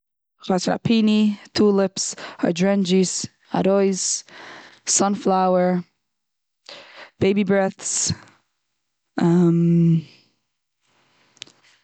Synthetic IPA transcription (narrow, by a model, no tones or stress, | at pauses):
χasəna̰pʰiːnitʰuːlɪpsa̰dɹɛnd͡ʒis | a̰ɾɔɪz̥ | sʌnflawəɹ | b̥eɪbibɹɛθs | am